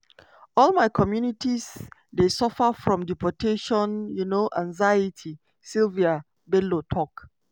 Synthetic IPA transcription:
ɔlmaɪkʰɔmjunitizdesɔfafɹɔ̃mdipɔtʰeʃɔ̃njunoʔãŋzaɪitʰi | silvia | belotʰɔk

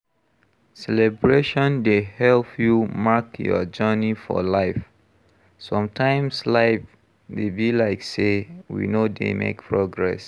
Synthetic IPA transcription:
sɛlɛbɹeʃɔ̃ndehɛlpʰjumakjɔ̰d͡ʒɜnifɔ̰laɪf | sɔ̃mtʰãɪ̃mslaɪf | debilaɪksewḭnodḛmḛkpʰɹɔɡɹɛ̰s

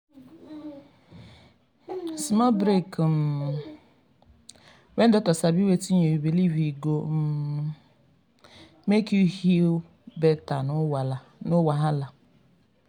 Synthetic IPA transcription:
simɔbɾekm̩ | wen̩dɔtɔsabiwetiɲebiliviɡom | mekuhi | betan | nʊwaɦala

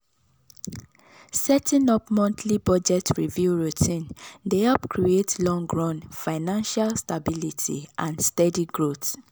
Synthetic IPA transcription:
sɛtĩnɔpmɔ̃ntlibɔd͡ʒɛtɹivjuɹutʰĩndeɛpkʰɹietlɔ̃ŋɡɹɔ̃nfaɪnãnʃalstabilitʰḭʔãnstɛdiɡɹot

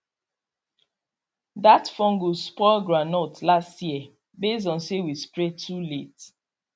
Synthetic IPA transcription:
datfɔ̃ŋɡuspɔɡɹanɔtlastjiə | bes̬ɔ̃nsewispɹetʰulet

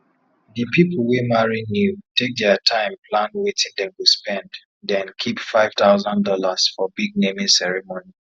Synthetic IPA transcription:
ðipipʰl̩ˠwimaɹinjutʰek̚dɛatʰãɪ̃mpʰlãnwetʰĩndɛ̃mwuspɛ̃nd | dɛ̃nkʰipfaɪv̥t̪aʊzãndɔlasfɔbiɡ̚nemĩsɛɹɛmoni

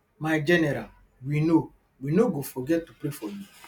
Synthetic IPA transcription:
maɪd͡ʒɛnɛɾal | wino | winoɡofɔɡɛttːupɾefɔju

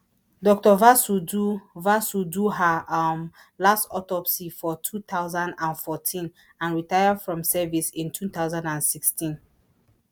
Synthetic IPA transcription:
dɔk̚tɔvasuduvasuduɦam | lastɔtɔpsifɔtʰut̪aʊzãndãnfɔtʰĩn | ãnɹitajadfɹɔ̃msɛvisĩntʰuθaʊzãndãnsikstĩn

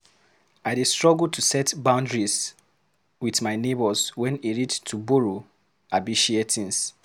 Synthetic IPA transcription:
aɪdestɹɔɡultʰusɛtbãʊ̃ndɹis | wiθmaɪnebɔswɛ̃niɹidtʰubuɹu | abiʃietʰĩns

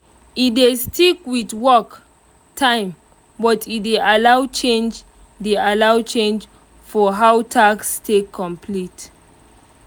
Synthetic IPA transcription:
idestikwidwɔk | tʰãɪ̃m | bɔtʰideʔalawt͡ʃẽnd͡ʒ | dealawt͡ʃẽnd͡ʒ | fɔɦawtʰakstʰekʰːɔ̃mpʰlit

